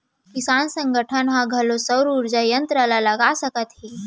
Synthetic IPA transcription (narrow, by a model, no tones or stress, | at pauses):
kisansə̃ŋɡəʈʰənɦãɡʱəlosəwɾuɾd͡ʒajənt̪ɾəlaləɡasəkət̪ɦi